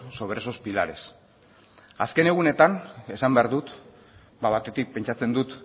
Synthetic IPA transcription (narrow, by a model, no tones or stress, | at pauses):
so̞βɾe̞so̞spilaɾe̞s | aske̞ne̞ɣune̞t̪ane̞sambeaɾðut̪ | baβat̪e̞t̪ik̚pe̞nt͡ʃat͡send̪ut̪